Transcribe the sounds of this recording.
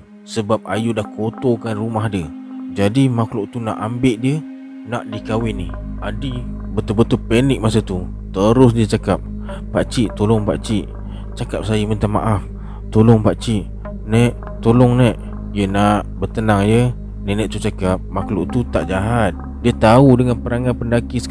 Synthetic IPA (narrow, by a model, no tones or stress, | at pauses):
səbap̚ajudahkʰot̪okanrumahdiəd͡ʒadimakloʔt̪unaʔambɪʔdiə | naʔdikawɪnːihadibət̪ʊbət̪ʊlpɛnɪk̚masat̪u | t̪əɾʊs̬diət͡ʃakap̚ | paʔt͡ʃiʔt̪olɔŋpa̰ʔt͡ʃiʔ | t͡ʃakap̚sajəmənt̪ama̰ʔaf | t̪olɔŋpaʔt͡ʃiʔ | nɛʔ | t̪olɔŋnɛʔ | jənaʔbət̪ənaŋjə | nɛʔnɛʔt̪ut͡ʃakap̚makloʔt̪ut̪aʔd͡ʒaɦat̪̚ | diət̪audəŋanpəɾaŋanpəndakis